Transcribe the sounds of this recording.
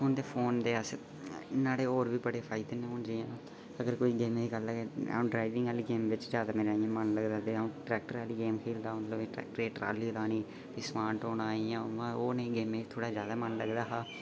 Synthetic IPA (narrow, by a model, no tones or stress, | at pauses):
oːnd̪eːpʰoːnd̪eːəs | naːɽeːoːɾʋiːbəɽeːpʰaːɪd̪enẽɦoːnd͡ʒiːãː | əɡəɾkoːiːɡeːmeːd̪iːɡəlːaːea̰ːũːɖɾaːiʋɪ̃ŋɡɛːliɡeːmʋɪt͡ʃzjaːd̪aːmeːɾaːijãːmənləɡd̪aːd̪eũːʈɾɛːk̚ʈəɾɛːliɡeːmkʰiːld̪aːmət̪ləbeːʈɾɛ̰ːk̚ʈəɾeːʈɾa̰ːliːlaːniː | piːsmaːʈoːnaːiːãːʋãoːnẽɡeːmẽːt̪ʰoːɽaːd͡ʒjaːd̪aːmənləɡd̪aːɦaː